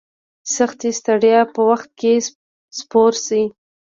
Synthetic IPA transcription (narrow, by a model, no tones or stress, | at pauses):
saxt̪ist̪aɽjapəwaxt̪̚ke | spoɾsi